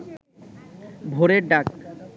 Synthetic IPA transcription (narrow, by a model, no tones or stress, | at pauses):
bʱoɾeɾɖak